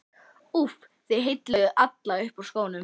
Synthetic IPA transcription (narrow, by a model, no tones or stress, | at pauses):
uf | θejɦejt̪lɪðʏʔat̪laʏhpawskoːwnʏm